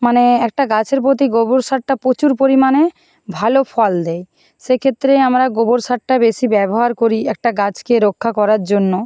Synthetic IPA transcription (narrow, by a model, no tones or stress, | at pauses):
maneɛk̚ʈaɡat͡ɕʰeɾpɾot̪iɡoboɾsaʈʈapot͡ɕuɾpoɾimane | bʱalofɔld̪ɛj | ʃekʰet̪ːɾeamɾaɡoboɾsaʈʈabeʃibɛboɦaɾkoɾiɛk̚ʈaɡat͡ɕkeɾokʰːakɔɾaɾd͡ʑonːo